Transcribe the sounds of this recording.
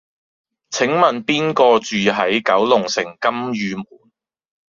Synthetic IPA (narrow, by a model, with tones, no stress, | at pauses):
t͡sʰɪ˨˥ŋmɐ˨npiː˥nkɔː˧t͡ʃyː˨ɦɐ˨˥jkɐ˨˥wlʊ˨˩ŋsɪ˨˩ŋkɐ˥mjyː˨˧muː˨˩n